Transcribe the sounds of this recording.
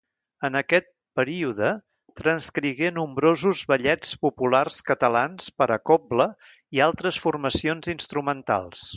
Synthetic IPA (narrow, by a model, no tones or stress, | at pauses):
ənəkɛt̪̚ | pəɾiuðə | t̪ɾənskɾiɣenumbɾozuzβəʎɛt͡spupularskət̪əlanspəɾəkoblə | ialˠt̪ɾəsfurməsionzinst̪ɾumənt̪a̰lˠs